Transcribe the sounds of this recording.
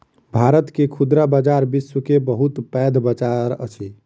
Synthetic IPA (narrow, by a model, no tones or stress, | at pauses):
bʱaɾət̪kekʰud̪ɾabad͡ʒaɾbiswəkebəɦut̪pɛd̪ʱbət͡ʃaɾə̰t͡ʃʰi